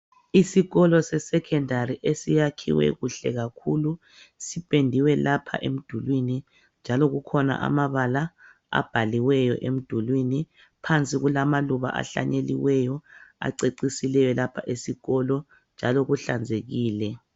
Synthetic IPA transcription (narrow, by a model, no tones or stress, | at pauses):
isiɣɔlɔsɛsɛkʰɛndaɾiʔesijakʰḭwɛ̰ɣuɬɛɣakʰulu | sipʼendʱiwɛlapʰa̰ʔem̩d̥ʱulwini | nd͡ʒʱalɔɣukʰɔna̰ʔa̰maβala | a̰b̥ʱaliwɛjɔ̰ʔem̩d̥ʱulwini | pʰant͡sʼiɣulamaluβa̰ʔa̰ɬa̰ɲeliwɛjɔa̰ǀeǀisilɛjɔlapʰaʔesiɣɔlɔ | nd͡ʒʱalɔɣuɬand͡zʱeɣiːlɛ